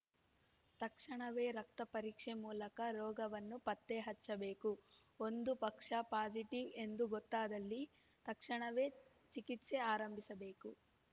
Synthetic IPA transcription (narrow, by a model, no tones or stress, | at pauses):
t̪ɐkʂɐɳɐʋe̞ːɾɐk̚t̪ɐpɐɾiːkʂemuːlɐkɐɾɔːɡɐʋɐnːupɐt̪ːeɦɐt͡ʃːɐbe̞ːkuo̞nd̪upɐkʂɐpaːd͡ʒiʈiʋe̞nd̪uɡot̪ːaːd̪ɐlːi | t̪ɐkʂɐɳɐʋe̞ː | t͡ʃikit̪seaːɾɐmbʱisɐbe̞ːku